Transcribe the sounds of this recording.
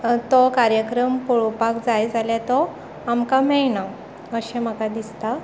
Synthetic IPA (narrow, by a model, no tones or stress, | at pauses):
t̪ɔkaɾjəkɾəmpoɭopakd͡zajd͡zaljat̪ɔ | amkamɛjna | əɕẽm̤əɡad̪ist̪a